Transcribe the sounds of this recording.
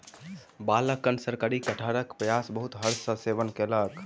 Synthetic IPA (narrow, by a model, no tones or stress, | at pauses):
baləkːənsəɾkaɾikəʈʰəɾəkpɾəjasbəɦut̪ɦəɾsə̃seʋənkelək